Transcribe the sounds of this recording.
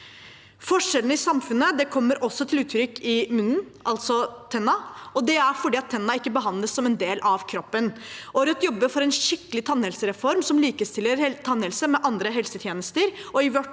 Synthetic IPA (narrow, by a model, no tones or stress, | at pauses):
fɔʂɛlənəɪsɑmfʉnːəd̪ɛkʰɔmːəɾɔsːɔt̪ʰɪlʉːt̪ʰɾʏkːɪmʉnːn̩ | ʔɑlt̪sɔt̪ʰɛnːɑɔd̪ɛæɾfɔɖiːɑt̪ʰːɛnːɑɪkːəbəɦɑnd̪ləsːɔmɛnd̪eːlʔɑʋkʰɾɔpːənʔɔɾœt̪jɔbːəfɔɾɛnʂɪkːəlɪt̪ʰɑnːhɛlsəɾɛfɔɾmsɔmliːkəst̪ɪlːəɾt̪ʰɑnɛlsəmɛʔɑnd̪ɾəɦɛlsət̪ʰjeːnəst̪əɾɔɪʋœʈ